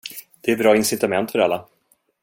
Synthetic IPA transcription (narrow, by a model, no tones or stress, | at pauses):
d̪̥ɛæɾbɾɑːɪnsɪt̪amɛnt̪fœɾalːa